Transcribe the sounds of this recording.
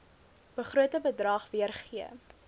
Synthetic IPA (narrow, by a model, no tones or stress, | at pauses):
b̥əχruətəbədrɑːχviərχiə̰